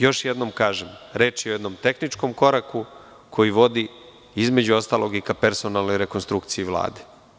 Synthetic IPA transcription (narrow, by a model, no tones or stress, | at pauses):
jo̞ʃjed̪no̞mkaːʒemɾe̞ːt͡ʃjeoɛd̪no̞mt̪e̞xnit͡ʂko̞mko̞ɾaku | kʰo̞jiʋo̞d̪i | izme̞d͡ʑuo̞st̪alo̞ɡikapeɾso̞nalno̞jɾekonst̪ɾukt̪sijiʋlˠa̰ːd̪e